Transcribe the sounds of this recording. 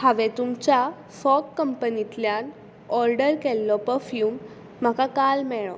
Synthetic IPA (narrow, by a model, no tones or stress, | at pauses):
haʋɛt̪umt͡ɕja | fɔkːəmpənit̪ljan | ɔɾɖəɾkɛlːɔpəfjuːm̤ː | akakalmɛɭɔ